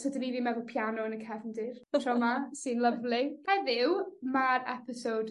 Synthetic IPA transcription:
sɔdəniviːmɛðʊlˠpʰjanɔənəkʰɛvndɪrrɔmasɨnlˠəvlɪhɛðɪwmaɾɛpɪsowd̥

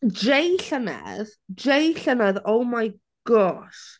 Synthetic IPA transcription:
dejɬənɛ̰ðd͡ʒejɬənɛðowmaj | ɡ̥ɔʃ

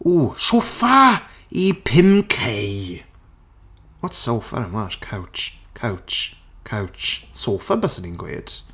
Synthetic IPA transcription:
uːʃofa | ipʰɪmkʰej | wɔtsoːfə̰ɾəmaʃkʰawt͡ʃkʰawt͡ʃ | kʰawt͡ʃsoːfəbəsənɪ̃ŋɡwḛːd̥

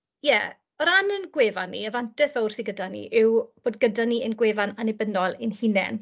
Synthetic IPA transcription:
jɛ | ɔɾanənɡweːvanːḭəvantɛsvɛwrsiɡədanḭʔɪwb̥oːd̚ɡədaniənɡweːvananɪbənɔlˠɪnhinɛ̰n

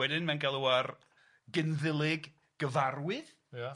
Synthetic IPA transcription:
wɛdɪnmɛnɡɛlˠuwar | ɡɪnðɪlˠɪɡ | ɡ̥əvarwɪð | ja

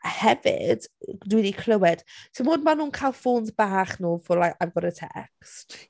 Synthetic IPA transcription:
hɛvɪ̰d̥dwidikʰl̥ˠəwɛd̥tʰɪmoːdmanuːnkʰajlˠfuːndbaːχnuːfʊlaavɡɔɾətʰɛ̰ʔɛ̰kst

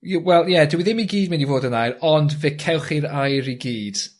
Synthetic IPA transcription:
wɛlˠjɛdəwiðɪmiɡiːdmɪnivoːdənajɾɔndvɪkʰɛwχiɾajɾiɡiːd̥

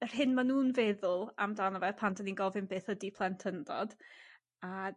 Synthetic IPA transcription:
ər̥ɦɪnmanuːnvɛðʊlˠamdanɔvɛpʰandəninɡɔvɨnbeːθədipʰlˠɛntʰəndɔd̥ | a

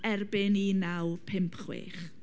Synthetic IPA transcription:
ɛrbɪninawpʰɪmpʰχwḛːχ

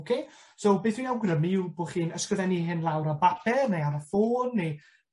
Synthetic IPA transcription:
okʰesowbeːθwijawɡrəmiuboːχiːnəskrəðɛniɦɪnlˠawɾabapʰɛrnejaɾəfoːnːe

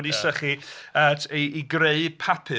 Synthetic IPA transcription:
disəχiətʰiːɡreɨ̥pʰapʰɨ

